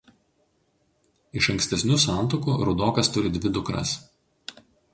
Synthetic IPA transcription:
ɪʃɐŋksʲt̪ʲɛsʲnʲuːsɑˑnˑt̪okuːɾʊd̪oːkɐst̪ʊɾʲɪd̪ʲʋʲɪd̪ʊkɾɐ̰s

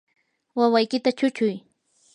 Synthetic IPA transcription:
wawajkɪt̪at͡ʃʊt͡ʃʊj

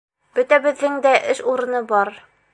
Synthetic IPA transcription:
b̥ɵt̪æbɘ̆ðːɘŋd̪æʔɘʃuɾɤ̆nɤbɒɾ

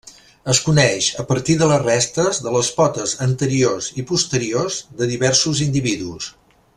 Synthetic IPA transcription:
əskunɛʃəpəɾt̪iðələrɛst̪əzðələspɔt̪əzənt̪əɾiozipust̪əɾiozðəðiβɛɾsuzind̪iβiðus

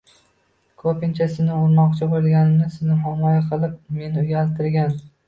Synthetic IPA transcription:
kʰopɪnt͡ʃʰasɪnɪʊɾmɒqt͡ʃʰɪbojd̪ɡʲanɪnɪsɪnɪɦamɒjaqʰɨlˠɪp̚me̞nɪʊjʲalt̪ʰɪɾɡʲan

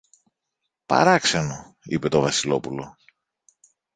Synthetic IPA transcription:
pɐ̰ɾɐkseno | ipe̞t̪o̞vɐsilo̞pulo̞

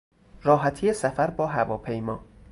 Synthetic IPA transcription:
ɾɒːɦæt̪ʰijesæfæɾbɒːɦævɒːpʰejmɒː

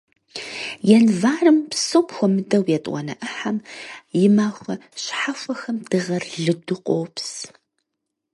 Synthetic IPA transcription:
jɛnvaːrɨmpsowpxʷɔmɨdɐwjɛtʼwɐ̰nɐ̰ʔɨħamjɪmaːxʷɐɕħafʷɐxɐmd̥ɨʁɐrɮɨdʊqʷʼoːps

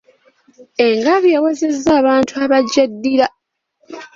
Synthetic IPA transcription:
e̞ŋɡaβjewezezːaːβaːntʰuaβaɟadːiɾa

